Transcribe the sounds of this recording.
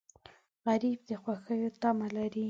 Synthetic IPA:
ɣaɾib̚d̪əxwaxəjot̪amalaɾi

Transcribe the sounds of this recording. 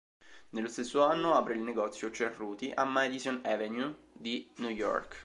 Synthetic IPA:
nelːost̪esːoanːoapɾeilneɡɔt̪sːjot͡ʃerːuːt̪iʔamad̪izɔnɛvenju | d̪inujɔ̰rk

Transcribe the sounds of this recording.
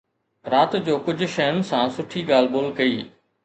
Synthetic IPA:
ɾaːt̪d͡ʑoːkʊd͡ʑʱʊ̆ʃɐjʊnɪ̆sãsʊʈʰiɡaːl̤boːlkɐiː

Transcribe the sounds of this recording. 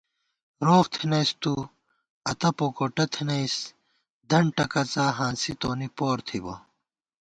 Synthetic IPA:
ɾoːxt̪ʰinɐjst̪u | ɐt̪ɐpokoʈɐt̪ʰinɐjs | d̪ɐɳʈɐkɐt͡saːɦãːnsit̪oːnipoːɾt̪ʰibo̰

